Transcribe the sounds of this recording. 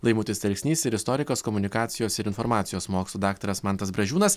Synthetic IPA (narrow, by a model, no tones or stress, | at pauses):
lˠɐɪmuːt̪ʲɪst̪ʲɛlʲksʲnʲiːsɪɾɪst̪ɔːɾʲɪkoːskɔmʊnʲɪkɑːt̪sʲɪjoːsɪɾɪnfɔɾmɑːt̪sʲɪjoːsmoːkʲslˠuːd̪ɑːkt̪oɾɐsmɑnt̪ɐsbɾɐʒʲuːnɐs